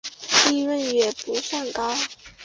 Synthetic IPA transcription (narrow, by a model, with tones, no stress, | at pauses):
i˥˧wə˥˩njɛ˨˩pu˧˥sa˥˩ŋkɑ˥ʊ